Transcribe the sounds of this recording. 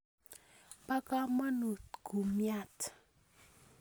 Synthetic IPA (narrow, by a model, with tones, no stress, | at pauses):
pa˦ka˦ma˦nu˨t̪ɡ̥u˨mja˦˨t